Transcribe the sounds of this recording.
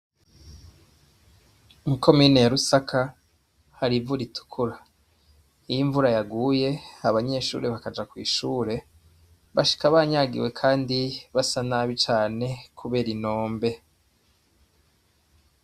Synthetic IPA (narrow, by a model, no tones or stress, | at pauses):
muko̞miːne̞jaɾusakʰa | haɾivuɾitʰu̥kʰuɾa | ijiɱvuɾajaɡuːje̞aβaɲe̞ʃṵːɾeβakad͡ʒakwḭːʃuːɾe̞ | βaʃi̥kaβaɲaɡḭwe̞kʰaːndiβasanaβit͡ʃaːne̞kʰuβe̞ːɾino̞ːmbe̞